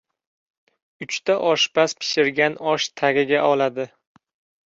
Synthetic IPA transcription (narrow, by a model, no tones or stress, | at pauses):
ʊt͡ʃt̪aʔɒʃbaspʰɪ̥ʃɪɾɡʲanɒʃt̪ʰaɡʲɪɡʲaʔɒlad̪ɪ